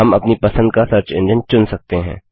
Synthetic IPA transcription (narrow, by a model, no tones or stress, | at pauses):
ɐmɐpnipɐsə̃nd̪kasɐɾt͡ʃɪ̃nd͡ʒənt͡ʃʊnsɐk̚t̪eɦɛ̰̃ː